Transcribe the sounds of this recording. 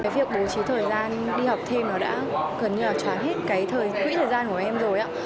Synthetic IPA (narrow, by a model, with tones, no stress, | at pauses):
kaː˨˦jvi˨˩ək̚ɓo˨˦t͡ɕi˨˦t̪ʰəː˨˩jzaː˧n | ɗi˧ha˨˩wk͡p̚t̪ʰe˧mnɔ˨˦ɗa̰ː˧˥ɣə˨˩nɲɨ˧laː˨˩t͡ɕwaː˨˦nɦe˦˥t̚kaː˨˦jt̪ʰəː˨˩jt̪wḭ˧˥t̪ʰəː˨˩jzaː˧nku˧˩əʔɛ˧mzo˨˩jʔa̰ː˧˥